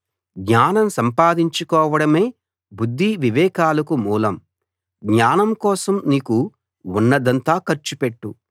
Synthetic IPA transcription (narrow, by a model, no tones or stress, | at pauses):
ɡɲaːnɐmsɐmpaːd̪iɲt͡ʃukɔːʋɐɽɐme̞ː | bud̪ʱːiʋiʋɛːkaːlɐkumuːlɐm | ɡɲaːnɐmkɔːsɐmniːku | unːɐd̪ɐnt̪aːkɐɾt͡ʃupeʈːu